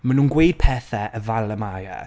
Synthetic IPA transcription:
manuːnɡwejd̥̚pʰɛːθɛʔəvalˠəmaja̰

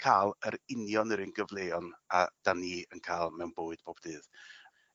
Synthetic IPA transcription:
kʰaːlˠəɾɪnjɔnəɾɪnɡəvlˠejɔnad̥aniːənkʰaːlˠmɛwnb̥oːɨd̥bʰoːb̥dɨːð

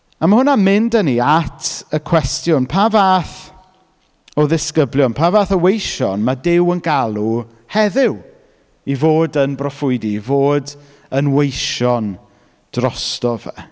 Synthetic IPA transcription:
amahʊnamɪndəniatʰəkʰw̥ɛstjʊnpʰavaːθ | ɔðɪskəblˠjɔnpʰaːvaːθəwejʃɔnmadɪwənɡalˠu | hɛðɪw | ivoːdənbrɔfʊjdivoːd | ənwejʃɔn | d̥rɔstɔvɛ̰

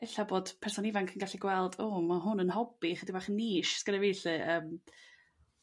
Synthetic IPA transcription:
ɪɬaboːd̥pʰɛrsɔnɪvankʰənɡaɬiɡwɛlˠdomaɦʊnənhɔbiχədibaχniːʃsɡ̥əɾaveːɬɨʔəːm

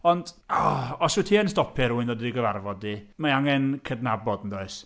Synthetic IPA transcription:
ɔnd̥ɔɔsutʰiːənstɔpʰɪɾuːɨndɔdidiɡəvarvɔdimaaŋɛnkʰədnabɔdn̩doɨs

